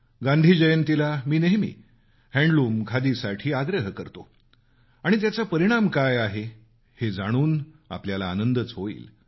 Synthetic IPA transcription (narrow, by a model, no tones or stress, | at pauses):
ɡãnd̪ʱiːd͡ʑəjənt̪ilamiːneɦmḭː | hɛ̃ɳɖluːmkʰad̪isaʈʰiːaɡɾəɦkəɾt̪o | aɽ̃it̪̬jat͡sapəɾiɽ̃amkajaɦe | hed͡zaɽ̃uːn | a̰pljalaːnənd̪ət͡sɦoḭːl